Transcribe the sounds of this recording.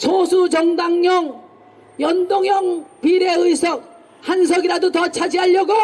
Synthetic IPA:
sʰosʰut͡ɕʌŋdaŋɲʌŋ | jʌndoŋjʌŋpɥiɾe̞ɯjsʰʌk̚ | hans̬ʰʌɡiɾadotʌt͡ɕʰad͡ʑiɦaʎːʌɡo

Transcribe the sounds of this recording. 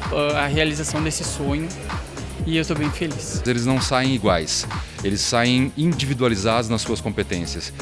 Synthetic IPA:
ɛaɦealizasɐ̃w̃d̪esɪsõɲʊ | ɪewst̪obẽj̃feliszelɪznɐ̃w̃saẽj̃iɡwajs | elɪsːaẽj̃ĩd͡ʒivid̪ualizad̪ʊznɐsːuɐskõpet̪ẽsiɐs

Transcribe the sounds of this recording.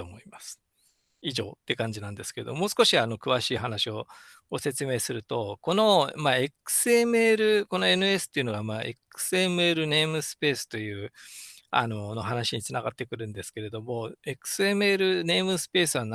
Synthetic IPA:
oːmoimasɨ̥ | iʑo̞̰ːt̪ːe̞kãɲ̟d͡ʑinãnd̪e̞sɨ̥ke̞ɾe̞d̪o̞mo̞ːsɨ̥koɕiano̞kɯ̟βaɕiːɦanaɕio̞ | ɡo̞se̞t͡sɨme̞ːsɨɾɯ̟t̪o̞ko̞no̞maekɯ̥sɨemɯ̟eːɾɯ̟ko̞no̞e̞nɯ̟e̞sɨ̥t̪ːeiɯ̟no̞ɡamaʔekɯ̥sɨe̞mɯ̟eːɾɯ̟ne̞imɯ̟sɨ̥pe̞ːsɨ̥t̪o̞jɯ̟ː | a̰no̞no̞ɦanaɕiɲ̟it͡sɨnaɡat̪ːe̞kɯ̟ɾɯ̟̃nd̪e̞sɨ̥ke̞ɾe̞d̪o̞mo̞e̞kɯ̥sɨe̞mɯe̞ːɾɯ̟ne̞ːmɯ̟sɨ̥pe̞ːsɨβan

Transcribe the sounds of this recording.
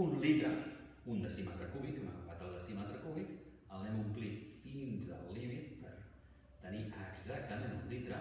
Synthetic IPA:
unlit̪ɾə | und̪əsima̰t̪ɾəkuβikɛmaɣuwat̪əlˠd̪əsimat̪ɾəkuβik | əlˠnɛmumplit̪finzəlːimit̪̚pəɾ | t̪əniʔəɡzak̚t̪əmenulit̪ɾə̰

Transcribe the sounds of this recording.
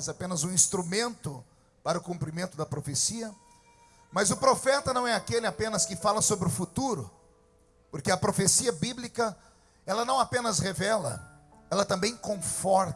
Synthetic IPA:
zapẽnɐzũĩst̪ɾumẽnt̪ʊ | paɾɐʊkũmpɾimẽnt̪ʊd̪ɐpɾofesiɐ | mɐzʊpɾofɛt̪ɐnɐ̃w̃ɛakelɪapẽnɐskɪfalɐsobɾɪʊfut̪uɾʊ | poɾkɪɐpɾofesiɐbiblikɐ | ɛlɐnɐ̃w̃apẽnɐsʁevɛlɐ̰ | ɛlɐt̪ɐ̃mbẽj̃kõfɔɾt̪

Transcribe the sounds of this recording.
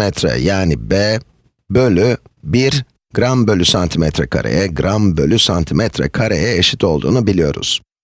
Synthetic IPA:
ɛt̪ʰɾɛ̰jaːnibeː | bølʲybiɾ | ɡɾambø̞lʲysant̪ʰimɛt̪ʰɾɛ̰kʰa̰ɾʔḛjɛɡɾambølʲysant̪ʰimɛt̪ʰɾɛ̰kʰaɾejɛeʃi̥t̪ʰo̞lˠd̪ṵːnubilʲijo̞̰ɾṵz̥

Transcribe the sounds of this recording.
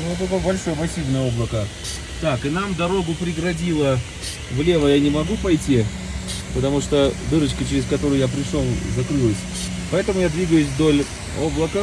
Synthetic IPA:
ɛt̪ɐkojbɐlʲʂojəpɐsʲivnəjo̞blˠəkə | t̪akɨnamd̪ɐɾo̞ɡʊpɾʲɪɡɾɐdʲilˠə | vlʲe̞vəjanʲɪmɐɡupɐjtʲi | pət̪ɐmuʂt̪od̪ɨɾət͡ɕkət͡ɕɪɾʲɪskɐt̪o̞ɾʊjʊjap̬ɾʲɪʂolˠzɐkɾɨlˠəsʲ | pɐɛt̪əmʊjad̪vʲiɡəjʊsʲvd̪o̞lʲ | o̞blˠəkə

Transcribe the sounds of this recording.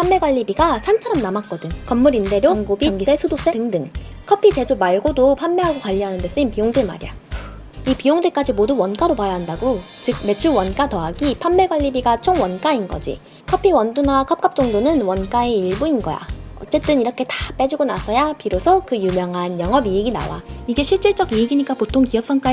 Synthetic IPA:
pʰamːe̞ɡwaʎːibiɡasʰant͡ɕʰʌɾʌmnamak͈ʌdɯnkʌmːuɾinde̞ɾjoŋɡobiŋɡisesʰudos͈etɯŋdɯŋ | kʰʌpʰit͡ɕe̞d͡ʑomaɭɡodopʰamːeɦaɡokaʎːiɦanɯnde̞s͈ɯɲimpijoŋdema̰ɾija | ipijoŋdek͈ad͡ʑimoduwʌnk͈aɾopajʌɦandaɡo | t͡ɕɯk̚me̞t͡ɕʰuwʌnk͈atʌɦaɡipʰanːeɡwaʎːibiɡat͡ɕʰoŋwʌnk͈ainɡʌ̰d͡ʑḭ | kʰʌpʰiwʌndunakʰʌp̚k͈ap̚t͡ɕ͈ʌŋdonɯnwʌnk͈aeiɭbuinɡʌja̰ʌ̰t͡ɕ͈e̞t͈ɯniɾʌkʰe̞tḁp͈e̞d͡ʑuɡonasʰʌjapiɾosʰʌkɯjumjʌŋɦanjʌŋɦʌbieɡina̰wa̰iɡe̞ɕʰiɭt͡ɕ͈iɭt͡ɕ͈ʌɡieɡiɲik͈apotʰoŋkiʌk̚s͈ʌŋk͈a

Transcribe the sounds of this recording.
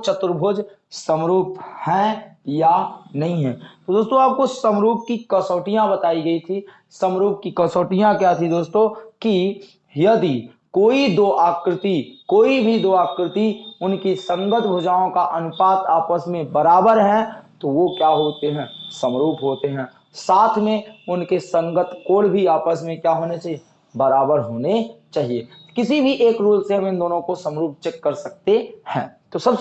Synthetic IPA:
t͡ʃət̪ɾbʱoːd͡ʒ | səmɾuːphɛ̃janɐɦĩɦɛ̃ːt̪od̪oːst̪õaːp̚kosəmɾuːp̚kikɐsoːʈijãbɐt̪aːiɡɐit̪ʰi | sɐmɾuːp̚kikɐsoːʈijãkjat̪ʰid̪oːst̪õki | jɐd̪i | koːid̪oːʔaːkɾɪt̪ikoːibʱid̪oːaːkɾɪt̪iʊnkisɐ̃ŋɡət̪bʱod͡ʒaːõkaʔɐnʊpaːt̪aːpəsmẽbəɾaːbəɾɦɛ̃t̪oʋokjaːɦoːt̪eɦɛ̃ːsə̃mɾuːpɦoːt̪eɦɛ̃ː | saːt̪ʰmẽʊnkesə̃ŋɡət̪koːɽbʱiaːpəsmẽkjaːɦoːnet͡ʃaːɦie | bɐɾaːbəɾɦoːnet͡ʃaːɦie | kɪsibʱiʔeːkɾuːlseɦɐ̃mɪ̃nd̪oːnõkosəmɾuːp̚t͡ʃɛkːɐɾsɐk̚t̪ehɛ̰̃ːt̪oːsɐb

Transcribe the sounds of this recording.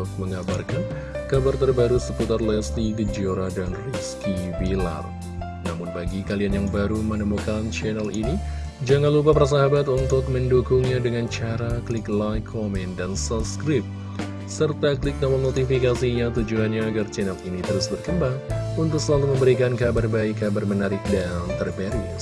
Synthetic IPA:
k̚məŋabarkan | kabart̪ərbaɾusəput̪arlɛstiɡəd͡ʒioɾadanriskibila̰r | namʊnbaɡikalianjaŋbaɾumənəmukant͡ʃɛnɛlini | d͡ʒaŋanlup̬apaɾas̬aɦabat̪unt̪ʊk̚məndukʊŋɲadəŋant͡ʃaɾaklɪklajkʰːomɛndansapskɾɪp̚ | sərt̪aklɪk̚noməlnot̪ifikasiɲat̪ud͡ʒuanɲaːɡart͡ʃɛnɛlinit̪əɾʊsbərkəmbaŋunt̪ʊk̚səlaluməmbəɾikankabarbaɪkːabarmənaɾɪk̚dant̪ərbaɾi

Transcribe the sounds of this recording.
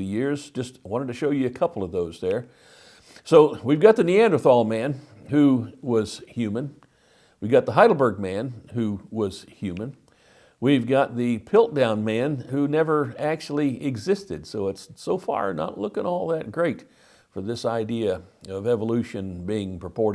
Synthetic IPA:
ɨjɪɹz̥d͡ʒʌst̚wɑ̃ɾ̃ɨtʰɨʃoʊjɨɨkʰʌpl̩ˠʌvðoʊzðə˞ | soʊwivɡɑt̪̚ðɨniæ̃ndə˞θɔlˠmæ̃n | hʉwʌz̥hjʉmɨ̃n | wiɡɑt̪̚ðəɦaɪɾl̩ˠbə˞ɡ̚mæ̃nhʉwʌz̥hjʉmɨ̃n | wivɡɑt̪̚ðɨpʰɪlˠt̚d̥ãʊ̃nmæ̃nhʉnɛvə˞æk̚t͡ʃul̩ˠiɪɡzɪstɨd̥soʊɨtsoʊfɑ̰ɹnə̰ʔˡlʊkɪ̃ŋɔlˠðɨt̚ɡ̥ɹeɪt | fə˞ðɪsaɪdiɨʌvɛvəlʉʃɨ̃nbiɪ̃ŋpʰɹ̥əpʰɔɹɾ

